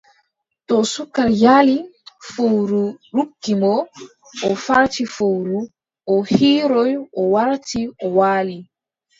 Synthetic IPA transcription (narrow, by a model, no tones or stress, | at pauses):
tɔsukːaɾjalifowɾuɾukːimɔ | ʔɔfaɾtifowɾu | ʔɔhiːɾɔjʔɔwaɾtiʔɔwaːli